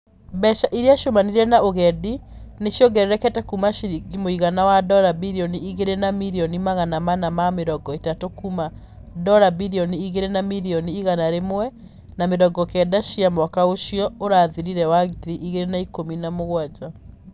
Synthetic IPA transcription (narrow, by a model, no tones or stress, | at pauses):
bɛʃaʔiɾeaʃomaniɾɛnaoɣɛdineʃjɔɡɛɾeɾɛkɛtɛkumaʃiɾiɡimoiɣanawadɔɾabiɾiɔniiɣeɾenamiɾiɔnimaɣanamanamameɾɔɡɔetatokuma | dɔɾabiɾiɔniiɣeɾenamiɾiɔniːɣanaɾemwɛ | nameɾɔɡɔkɛdaʃiamwɔkaoʃijɔoɾaːðiɾiɾɛwaɣiðiʔiɣeɾenaikominamoɣwad͡ʑa